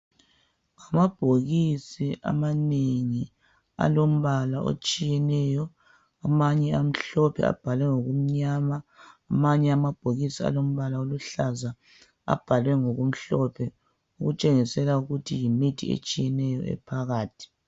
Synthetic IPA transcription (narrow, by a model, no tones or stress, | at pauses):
amab̥ʱoɣisiʔa̰maneŋi | a̰lom̩βalaʔo̰t͡ʃʼijɛnɛjɔ | amaɲɛam̩ɬɔpʰɛ̰a̰b̥ʱalwɛŋoɣum̩ɲamaːmaɲɛamab̥ʱoɣisia̰lom̩βalaoluɬaza | a̰b̥ʱalwɛŋoɣum̩ɬɔpʰɛ | uɣut͡ʃʼeŋisɛlauɣutʰijimitʰḭḛt͡ʃʼijɛnɛjɔ̰ʔɛ̰pʰaɣaːtʰi̥